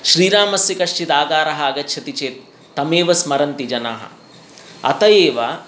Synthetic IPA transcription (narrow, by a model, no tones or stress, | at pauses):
ʃɾiːɾaːmɐsjɐkɐʂt͡ʃit̪aːɡaːɾɐɦɐɐɡɐtːʃʰɐt̪it͡ʃeːt̪̚ː | ɐmeːʋɐsmɐɾɐnt̪id͡ʒɐnaːɦɐ̰ | ɐ̰t̪ɐjeːʋɐ